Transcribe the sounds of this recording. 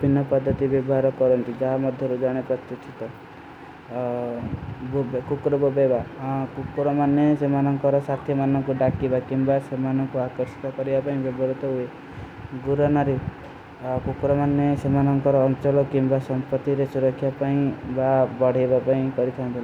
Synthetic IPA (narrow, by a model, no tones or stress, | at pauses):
bʱinːɔpɔd̪ʱːɔt̪ibjɔbɔɦaɾɔkɔɾɔnt̪id͡ʒaɦamɔd̪ʱjɔɾud͡ʒaɽ̃epɾɔt̪jɔt̪ʰit̪ɔ | bobekukɾɔbɔbebakukɾɔmanːesemanɔŋkɔɾɔsat̪ʰjɔmanɔŋkuɖakibakimbasemanɔŋkuakɔɾsi̥t̪ɔkɔɾibapaĩbjɔbɔɾut̪ɔɦue | ɡuɾɔnaɾe | kukɾɔmanːesemanɔŋkɔɾɔːŋt͡ʃɔlɔkimbasɔmpɔt̪ːiɾesuɾɔkʰːjapaĩbabɔɽ̤ebapaĩkɔɾit̪ʰant̪ʰila